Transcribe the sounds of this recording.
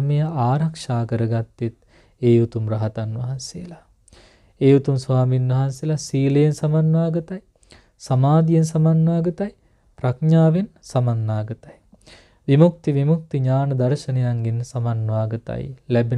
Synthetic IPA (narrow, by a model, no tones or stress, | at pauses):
mejɐaːɾakʂaːkəɾəɡat̪ːet̪ | eːut̪umrɐɦɐt̪anʋɐɦansejəla | eːut̪umsʋaːminʋɐɦansejlasiːləjensamanʋaːɡɐt̪aj | samaːd̪ijensamanʋaːɡɐt̪aj | pɾakɲaːʋensamanːaːɡət̪aj | ʋimuk̚t̪iʋimuk̚t̪iɲaːnɐd̪aɾʃɐnɐjaŋɡensamanʋaːɡɐt̪a̰jlæbe